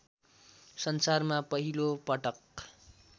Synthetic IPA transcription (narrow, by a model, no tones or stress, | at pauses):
sʌnsarmapʌɦilopʌʈʌk